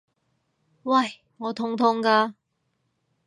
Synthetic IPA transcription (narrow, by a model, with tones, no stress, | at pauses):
wɐ˥˨˩j | ŋɔː˨˧t̪ʰʊ˧˥ŋt̪ʰʊ˧˥ŋkaː˧